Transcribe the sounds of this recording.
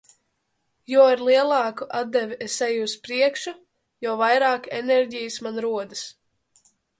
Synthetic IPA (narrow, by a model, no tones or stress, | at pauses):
jɔwaɾlˠiɛlˠɑːkuʔad̪̚d̪ɛvʲiesɛjuspɾiɛkʃa | jɔwvajɾaːkɛ̰nɛɾɟijɨsmanɾuɔd̪ɨs